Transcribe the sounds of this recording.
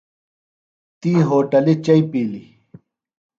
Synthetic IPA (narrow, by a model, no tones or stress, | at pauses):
t̪iːɦoːʈɐlit͡ɕɐipiːli